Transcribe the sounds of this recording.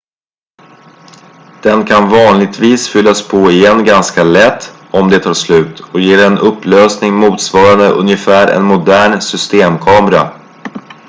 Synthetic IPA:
d̪̥ɛnkʰanvɑːnlɪɡ̚t̪viːsfʏlːaspʰɔɪjɛnːɡanskalɛt̪ː | ɔmd̪ɛt̪ʰɑːʂlʉ̟ːt̪ɔjeːɾɛnɵpːløːsnɪŋmuːt̪svɑːɾand̪əʔɵ̰njəfæːɾɛ̰nmʊd̪æːɳsʏst̪eːmkʰɑːmɛɾa̰

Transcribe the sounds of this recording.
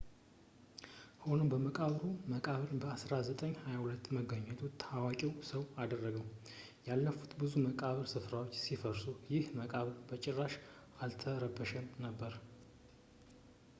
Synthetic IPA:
ho̞nəmbəməkʼaβɾuməkʼaβɨɾbəasɾazət̪ʼəɲːhajahulət̪ːməɡəɲːɛt̪ʰut̪ʰːawakʼiwsəwad̪ərːəɡəw | jalːəfu̥t̪bɨzuməkʼaβɾsɨfɾawot͡ʃːsifəɾsujɪhməkʼaβɾbət͡ʃʼɛrːaʃ | alt̪ʰəɾəbːəʃɛmnəbːəɾ

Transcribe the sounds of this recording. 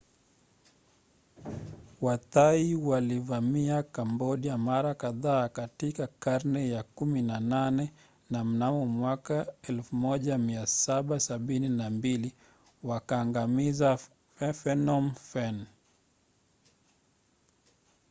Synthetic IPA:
wataiwalivamiakambɔɗijamaɾakaðaːkatikakaɾnɛjakuminananɛ | nam̩namɔmwakaɛlfumɔʄamiasaɓasaɓininambili | wakaːŋɡamiza | fɛfɛnɔmfɛn

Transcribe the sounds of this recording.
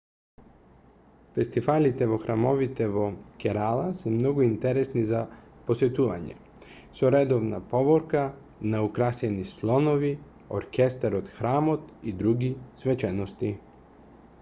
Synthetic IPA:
fest̪ifalit̪ɛʋoxɾamoʋit̪ɛʋokɛɾalasɛmnoɡoint̪ɛɾɛsnizaposɛt̪uʋa̰ɲɛ̰ | suɾɛd̪ovna̰poʋoɾka | naukɾasɛnislˠonoʋi | oɾkʲɛst̪aɾod̪xɾaːmot̪id̪ɾuɡisʋɛt͡ʃɛnost̪i

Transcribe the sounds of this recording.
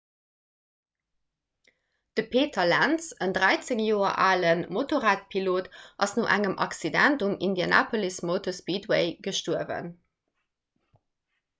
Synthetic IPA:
d̥əpʰeːtʰɐlænsəndʁæɪt͡seŋjoːɐ̰ʔaːlənmotoʁaːt̚pʰiloːtʔɑsnoːʔæŋəmʔɑ̰ksidæntumindiana̰ːpʰolismoʊtospiːdweɪɡ̥əʃtuəvə̰n

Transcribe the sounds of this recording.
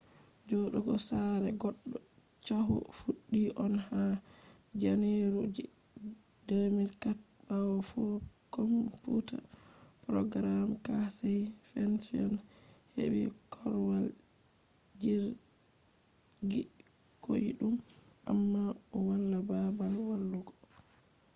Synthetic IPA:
d͡ʒɔɗɔɡɔsaɾɛɡɔɗːɔ | t͡ʃaɦṵfuɗːiʔɔnha | d͡ʒaneɾud͡ʒ | demiɾkat̚ | bawɔfɔ | komputa̰ | pɾɔɡɾamkasɛjfɛntɔn | hḛwḭkʰɔɾwal | d͡ʒiɾ | ɡi | kʰo̰jḭɗum | ʔa̰mːa | ɔwalːababalwalːuɡɔ̥

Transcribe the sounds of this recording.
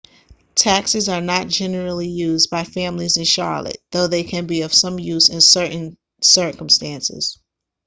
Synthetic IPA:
tʰæksɨzə˞nət̚d̥ʒ̥ɛnə˞l̩ˠijʉzbaɪfæ̃mlizɨ̃nʃɑ̰ɹlə̰t̚ðoʊðeɪkʰɨ̃nbiʌv̥sʌ̃mjʉzɨ̃nsɜ˞ʔn̩ | sɜ˞kə̃m̩stæ̃nsɪ̰z̥

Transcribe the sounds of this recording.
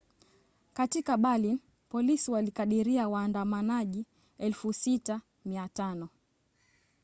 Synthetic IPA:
katikaɓalin | pɔlisiwalikaɗiɾiawaːndamanaʄi | ɛlfusita | miatanɔ

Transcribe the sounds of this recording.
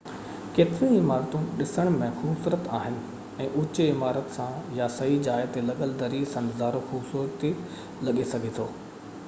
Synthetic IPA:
keːt̪ɪɾĩɪmaːɾt̪unɪɗɪsəɽ̃mẽxʊbsʊɾət̪aːɦɪnɪ̆ | ɛ̃ːʔʊt͡ɕɪmaːɾət̪sãjasɐɦid͡ʑaːt̪elɐɠəld̪ɐɾisɐ̃nd̪zaːɾoxʊbsut̪e | lɐɠesɐɡʱet̪ʰoː

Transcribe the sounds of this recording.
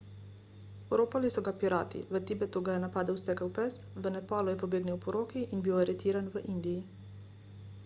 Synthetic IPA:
oɾoːpalisɔɡapiɾaːt̪ḭʋət̪ibɛt̪uɡajɛnapaːd̪əwst̪ɛkəwpɛst̪ʋənɛpaːlujɛpobeːɡnɛwpɔɾoːkiʔinbiwaɾɛt̪iːɾanʋəʔind̪iji

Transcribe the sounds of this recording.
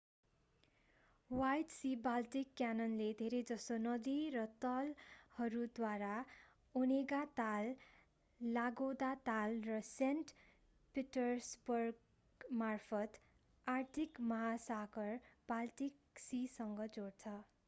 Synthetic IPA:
wajʈsibalʈikːjanʌnled̪ʱeɾed͡zʌsonʌd̪iɾʌt̪ʌlhʌɾud̪waɾa | oneɡat̪alː | aɡod̪at̪alrʌsenʈ | piʈʌsbʌrɡ | marpʰʌt̪ | art̪ʰikmʌɦasaɡʌrb̥alʈik | sisʌŋɡʌd͡zoɽt͡sʰʌ

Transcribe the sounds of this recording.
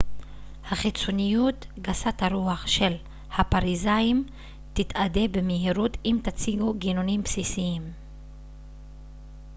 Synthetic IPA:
haχit͡sonijutɡasataɾuaχʃe̞l | hapaʁizaim | t̪it̪ade̞bemeɦiɾut̪imt̪at͡siɡuɡinonimpsisiim

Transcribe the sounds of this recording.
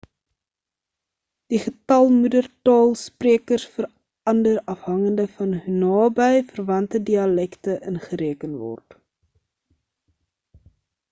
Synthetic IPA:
d̥iχətɐlˠmudərtɑːlˠspreəkərsfəɾ | ɐndəɾɐfɦɐŋəndəfɐnɦnɑːbɛjfərvɐntədiɐlɛktəʔənχəɾeːkənvɔ̰rt

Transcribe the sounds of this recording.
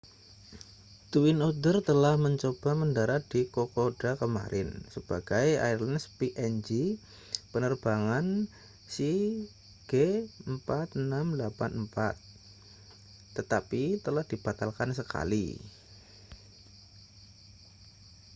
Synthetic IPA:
t̪uwɪnod̪ərt̪əlahməɲt͡ʃob̥a̤məndaɾad̥ikokod̥akəma̰ɾɪ̰nsəb̥aɡ̥aja̰ɪrlanspiʔɛnd͡ʒi | pənərb̥aŋan | si | ɡ̥eəmpat̪̚namlapanmpa̰t̪̚ | ət̪apit̪əlahd̥ib̥at̪alkansəka̰lḭ

